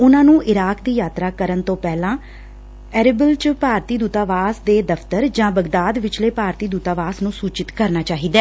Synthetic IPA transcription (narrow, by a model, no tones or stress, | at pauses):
ʊnãːnũːʔɪɾaːkd̪iːjaːt̪ɾaːkəɾənt̪õːpɛːlãː | ɛːɾɪbəlt͡ʃpaːɾt̪iːd̪uːt̪aːʋaːsd̪eːd̪əpʰt̪əɾd͡ʒãːbəɡd̪aːd̪ʋɪt͡ʃleːpaːɾt̪iːd̪uːt̪aːʋaːsnũːsuːt͡ʃɪt̪kəɾnaːt͡ʃaːɦiːd̪ɛː